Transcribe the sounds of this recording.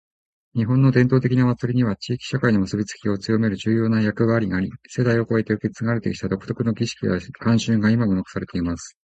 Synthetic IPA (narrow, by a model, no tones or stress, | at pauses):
ɲ̟iɦõ̞nːo̞d̪ẽnt̪o̞ːt̪ekʲinaβat͡sɨɾʲiɲ̟iβat͡ɕiːkʲi̥ɕakainomɯ̟sobʲit͡sɨ̥kʲio̞t͡sɨjo̞me̞ɾɯ̟ʑɨːjo̞ːnajakɯ̟βaːɾʲiŋaːɾʲise̞d̪aio̞ko̞e̞t̪e̞ɯ̟ke̞t͡sɨɡaɾe̞t̪e̞kʲit̪ad̪o̞kɯ̥t̪o̞kɯ̟no̞ɡʲiɕi̥kʲiakãɰ̃ɕɨ̃ːŋɡaimaɡonokɯ̟̥saɾe̞t̪eimasɨ̥